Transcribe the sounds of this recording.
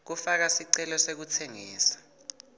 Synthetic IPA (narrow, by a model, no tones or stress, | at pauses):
k̬ufak̬asiǀɛlɔsek̬ut͡sʰeŋḭːsḁ